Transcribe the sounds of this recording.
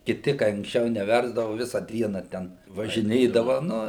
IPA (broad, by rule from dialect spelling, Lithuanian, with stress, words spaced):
kʲɪˈtʲɪ kɐɪ ɐŋksʲˈt͡ʃʲɛʊ nʲɛˈʋʲɛrzdɐʋʊ ˈʋʲɪsɐ ˈdʲiɛnɐ ˈtʲɛn ʋɐʒʲɪˈnʲeːdɐʋɐ ˈnʊ